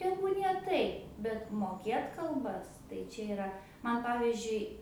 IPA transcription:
ˈtʲæːbuːnʲiɛ ˈtɐɪp bʲɛt moːˈkʲeːt kɐlˠˈbɐs tɐɪ ˈt͡ʃʲɛ ɪˈrɐ mɐn ˈpɑːʋʲɪzʲd͡ʒʲʊɪ

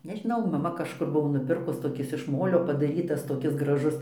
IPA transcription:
nʲɛʒʲɪˈnɐʊ mɐˈmɐ kɐʃˈkʊr ˈbʊʋoː nʊˈpʲɪrkʊs toːˈkʲɪs ɪʃ ˈmoːlʲoː pɐdɐˈrʲiːtɐs toːˈkʲɪs ɡrɐˈʒʊs

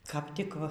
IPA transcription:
kɐp ˈtʲɪk

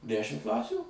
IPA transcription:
ˈdʲæːʃʲɪm ˈklˠɑːsʲuː

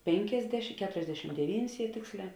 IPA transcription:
ˈpʲeːŋʲkʲeːzʲdʲɛʃ ˈkʲæːtʊrʲɛzʲdʲɛʃʲɪm dʲɛˈʋʲiːnʲɪs jiɛ ˈtʲeːksʲˌlʲɛː

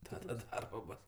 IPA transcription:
ˈtɑːdɐ ˈdɐrboː ˈboːs

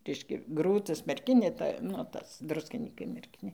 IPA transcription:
ˈrʲɛɪʃʲkʲɛ ˈɡruːtɐs mʲɛrʲˈkʲɪnʲeː ˈtɐ nʊ ˈtɐs ˈdrʊsʲkʲɪnʲiːkɐɪ mʲɛrʲˈkʲɪnʲeː

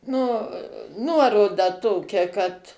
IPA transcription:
nʊ ˈnuɔroːdɐ ˈtoːkʲɛ kɐt

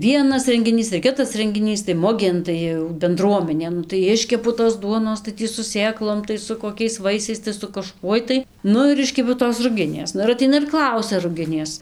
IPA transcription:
ˈʋʲiɛnɐs rʲɛŋʲɡʲɪˈnʲiːs ɪr ˈkʲɪtɐs rʲɛŋʲɡʲɪˈnʲiːs tɐɪ ˈmʊɡʲeːn tɐɪ jɛʊ bʲɛnˈdruɔmʲɛnʲeː ˈnʊ tɐɪ ˈɪʃʲkʲɛpʊ toːs ˈduɔnoːs tɐɪ ˈtʲiː sʊ ˈsʲeːklˠoːm tɐɪ sʊ koːˈkʲɛɪs ˈʋɐɪsʲɛɪs tɐɪ sʊ kɐˈʃkuɔj tɐɪ ˈnʊ ɪr ˈɪʃʲkʲɛpʲɛʊ toːs rʊˈɡʲɪnʲeːs ˈnʊ ɪr ɐˈtʲɛɪnɐ ɪr ˈklˠɐʊsʲɛ rʊˈɡʲɪnʲeːs

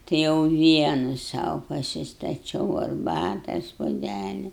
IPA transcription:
tɐɪ jɛʊ ˈʋʲiɛnʊ ˈsɐʊ pɐsʲɪstɐˈt͡ʃʲɛʊ ɐrˈbɑːtɐs puɔˈdʲælʲɪ

